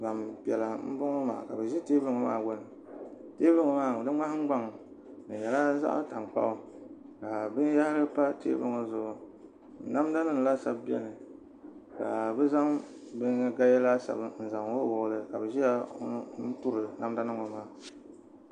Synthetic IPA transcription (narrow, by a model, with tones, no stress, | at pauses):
ba˨mpi˨ɛ˨la˨m̩˦bʊ˦ŋo˦ma̰ː˨ka˨bɨ˨ʒi˦teː˦bɨ˦ŋo˨ma̰ː˦˨ɡo˦nɨ˨ | teː˦bɨ˦ŋo˨maː˦˨dɨ˦ŋ͡ma˦h̩˦ɡ͡ba˦ŋ˨ | nɨ˨jɛ˨la˦za̰˦ʔta˨ŋ˨k͡pa̰˦ʔʊ˦ | ka˨bɨ˦n˦ja˦hɪ˦ɾɨ˦pa˦tḛː˦bɨ˦ŋo˨zʊ˨ʔʊ˨ | n̩˨˦na˦m˦da˦nɨ˦ŋ˨la˦sa˦bbi˦ɛ̰˦nɨ˨ | ka˨bɛ˦za˦m | bɨ˦ŋa˦ɡa˦jɛ˦la˦sa̰˨bɨ˦n̩˨za˨ŋwo˦wʊ˨lɨ˦ka˨bɛ˨ʒi˦ja˦n̩˦tu˦ɾɨ˨na˦m˦da˦nɨ˦ŋo˨maː˦